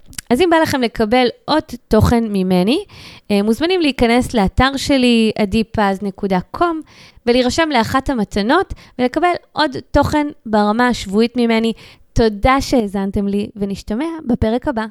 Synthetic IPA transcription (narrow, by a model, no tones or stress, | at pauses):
azimbalaχe̞mle̞kɐbe̞lʔo̞dto̞χe̞nmime̞niemːuzmanimliikɐne̞sleataʁʃe̞liadipazne̞kudakʰo̞mveliʁaʃe̞mleaχathamatano̞tvele̞kabe̞lʔo̞dto̞χe̞nbaʁamaʃvuitmime̞ni | to̞daʃeezante̞mliveniʃtame̞abape̞ʁekaba